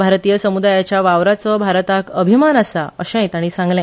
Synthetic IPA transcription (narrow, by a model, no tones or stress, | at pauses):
bʱaɾt̪ijəsəmud̪ajat͡ɕjaʋaʋɾat͡sɔbʱaɾt̪akəbʱimanasaə̰ɕẽjt̪aɽ̃isãŋɡlɛ̃